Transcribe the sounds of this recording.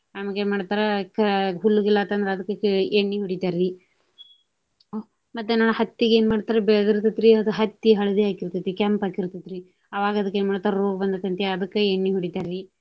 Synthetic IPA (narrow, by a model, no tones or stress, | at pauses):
ɐmɐɡeːnmaːɽt̪aːɾekɐɦulːuɡilːat̪ɐnd̪ɐɾeɐd̪ɐkːekeɳːiɦuɽit̪aːɾi | o | mɐt̪ːenaːnuhɐt̪ːiɡeːnmaːɽt̪aːɾɐbed̪iɾt̪ɐt̪ːɾiɐd̪uɦɐt̪ːiɦɐɭɐd̪iɦaːkiɾt̪ɐt̪ːikaːmpaːkiɾt̪ɐd̪ɾi | ɐʋaːɡɐd̪ɐkːe̞ːnmaːɽt̪ːaɾɐɾoːɡɐbɐnd̪ɐt̪ːɐnt̪iɐd̪ɐkːeeɳːiɦuɽit̪aːɾi